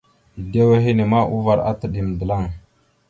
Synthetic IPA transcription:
de˦we˦ɦi˦ni˨ma˦ʔu˦va˨ɾa̰˦tə˨ɗi˨m˨də˨la˦˨ŋ

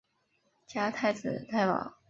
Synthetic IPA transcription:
t͡ɕja˥t̪ʰa˥˧ɪt͡sɹ̩˨˩t̪ʰa˥˧ɪpɑ̰˨˩˦ʊ

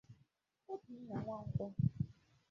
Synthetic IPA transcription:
o˦ti˨˦na˨ŋʷa˦˨ŋ̩˦kʷɔ˦

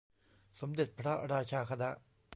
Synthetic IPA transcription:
so˨˦md̪e˨t̪̚pʰɽa˦ʔɾaː˧t͡ɕʰaː˧kʰa˧d̪a˦

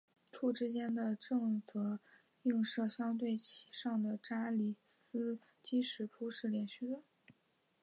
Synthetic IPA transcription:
t̪ʰu˥˩ʈ͡ʂɻ̩˥t͡ɕjɛ˥nd̪ə˨ʈ͡ʂɤ˥˧ŋt͡sɤ˧˥ | i˥˧ŋʂɤ˥˧ɕjɑ˥ŋt̪we˥˩ɪt͡ɕʰi̥˨˩ʂɑ˥˩ŋd̪ə˩ʈ͡ʂa˥li˨˩ | sɹ̩˥ | t͡ɕi˥ʂɻ̩˨˩pʰu˥ʂɻ̩˥˩ljɛ˧˥nɕy˥˩d̪ə˩

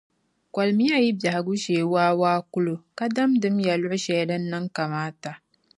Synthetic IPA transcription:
ka˨lmi˦ja˦ji˦bja˨ha˨ɡu˦ʃeː˨waː˦waː˦kʊ˦lo˨ka˦da˦mdɨ˦mja˨lʊ˦ʔʊ˦ʃɛ˨jda˦nː˦a˦ŋka˨maː˦ta˨

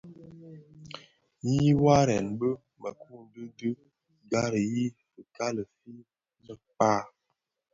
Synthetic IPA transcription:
ji˦wa˦ɾɛ˨nbə˦ | mə˨ku˦ndə˦də˦ | ɡa˦ɾə˨ji˦fə˨ka˦lə˨fi˦ | mə˨k͡pa˦˨

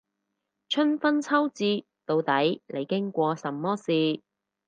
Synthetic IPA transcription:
t͡ʃʰɵ˥nfɐ˥nt͡sʰɐ˥wt͡siː˧ | t̪o˨˧wt̪ɐ˨˥jle˨˧jkɪ˥ŋkʷɔː˧sɐ˨˩mːɔː˥siː˨˧

